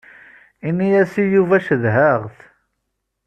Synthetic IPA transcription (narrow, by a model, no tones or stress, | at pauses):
inijæsijuvæʃəðɦəʁθ